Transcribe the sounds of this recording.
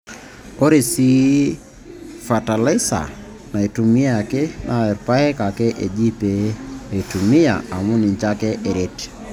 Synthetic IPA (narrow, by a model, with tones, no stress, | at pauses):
o˦ɾe˨si˦ | fa˨ta˨lɪ˦sa̰˨ | na˨e˨tu˨mi˦a˨ke˦nʔa˨ɛ˨ɾpa˦ɛ˦ka˨kɛ˦ʔe˨d͡ʒi˦pe˨˦˨i˨tu˨mi˦a̰˨a˨mu˦ni˨ɲt͡ʃa˦kɛ˦ʔe˨ɾe˦t